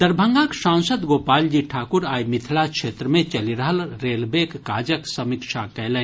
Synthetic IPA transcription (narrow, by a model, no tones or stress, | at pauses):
d̪əɾbʱə̃ŋɡãksãnsəd̪ɡoːpaːld͡ʒiʈʰaːkuɾaːjmit̪ʰlakʃʰeːt̪ɾəmẽt͡ʃɐliɾəɦəlɾeːlbekːaːd͡ʒəksəmikʃakɛlɛ̃